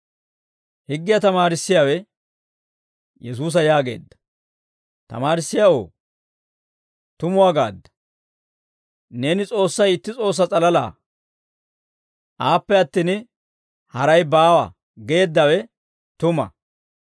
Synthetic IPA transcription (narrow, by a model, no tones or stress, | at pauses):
hɪɡːɪjɐt̪ɐmaːɾɪsːɪjawɛ | jɛs̬uːs̬ɐjaːɡe̞̰ːd̪ːɐ̥ | t̪ɐ̰maːɾɪsːɪjao̰ː | t̪ʊmʊwaːɡa̰ːd̪ːɐ̥ | ne̞ːnɪt͡sʼo̞ːsːɐjɪt̪ːɪt͡sʼo̞ːs̬ːɐt͡sʼɐlɐla̰ː | ʔaːpːɛɐt̪ːiːn | hɐɾɐjbaːwɐ̰ | ɡe̞ːd̪ːɐwɛ | t̪ʊmɐ̰